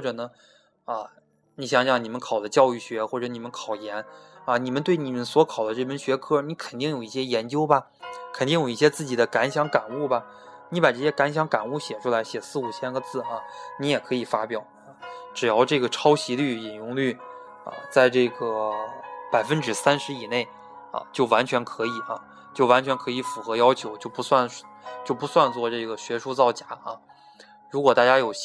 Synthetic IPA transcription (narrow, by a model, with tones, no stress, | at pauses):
wɔ˥˩ʈ͡ʂɤ˨˩nə˦ | ə˧ | ni˧˥˩ɕjɑ˧˩ŋɕjɑ˥˩ŋni˨˩mə˦nkʰɑ˨˩ʊd̪ə˦t͡ɕjɑ˥˧ʊy˥˩ɕɥɛ˧˥xwɔ˥˩ʈ͡ʂɤ˧˩˦ni˨˩mə˦nkʰɑ˨˩ʊjɛ˧˥nɐ˧ni˨˩mə˦nt̪we˥˩ɪni˨˩mə˦nswɔ˧˥kʰɑ˨˩ʊd̪ə˦ʈ͡ʂɤ˥˩fə˥˩nɕɥɛ˧˥kʰɤ˥˩ni˧˥kʰə˨˩nt̪i˥˩ŋjo˨˩ʊi˥˩ɕjɛ˥jɛ˧˥nt͡ɕjo˥ʊbɐ˨ | kʰə˨˩nt̪i˥˩ŋjo˨˩ʊi˥˩ɕjɛ˥t͡sɹ̩˥˩t͡ɕi˨˩d̪ə˦ka˧˥nɕjɑ˧˥ŋka˨˩nu˥˩bɐ˩ | ni˧˥pa˨˩ʈ͡ʂɤ˥˩ɕjɛ˥ka˧˥nɕ̬jɑ˧˥ŋka˨˩nu˥˩ɕjɛ˨˩ʈ͡ʂʰu˥la˧˥ɪɕjɛ˨˩sɹ̩˥˩u˨˩t͡ɕʰjɛ˥nɡə˧t͡sɹ̩˥˩ɐ˧˩ni˧˥jɛ˨˩kʰɤ˧˥i˨˩fa˥pjɑ˨˩˦ʊ˧˩ʈ͡ʂɻ̩˨˩jɑ˥˧ʊʈ͡ʂɤ˥˩ɡə˩ʈ͡ʂʰɑ˥ʊɕi˧˥ly˥˩i˨˩njʊ˧˥ŋly˥˩ | ɐ̰˧t͡sa˥˧ɪʈ͡ʂɤ˥˩ɡə˩pa˨˩ɪfə˥nʈ͡ʂɻ̩˨˩sa˥nʂɻ̩˧˥i˨˩ne˥˩ɪ | ɐ̰˧t͡ɕjo˥˩ʊwa˧˥nt͡ɕʰɥɛ˧˥nkʰɤ˧˥i˨˩˦ɐ˧ | t͡ɕjo˥˩wa˧˥nt͡ɕʰɥɛ˧˥nkʰɤ˧˥i˧˥fu˨˩xɤ˧˥jɑ˥ʊt͡ɕʰjo˧˥ʊt͡ɕjo˥˩pu˧˥swa˥˧nt͡ɕjo˥˩ʊpu˧˥swa˥˧nt͡swɔ˥˧ʈ͡ʂɤ˥˩ɡə˩ɕɥɛ˧˥ʂu˥˧t͡sɑ˥˩ʊt͡ɕja˧˥ɐ˧ | ɻu˧˥kwɔ˨˩t̪a˥˩t͡ɕja˥jo˨˩ʊ